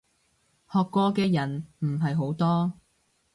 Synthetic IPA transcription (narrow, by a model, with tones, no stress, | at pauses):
hɔː˨kːɔː˧kɛː˧jɐ˨˩nm̩˨˩ɦɐ˨jɦo˨˥wt̪ɔː˥